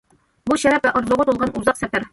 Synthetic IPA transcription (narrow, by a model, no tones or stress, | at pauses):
buɕæɾæpæʔŏɾzˠŭʁɤt̪ulʁɑnuzɑqsæpɘɾ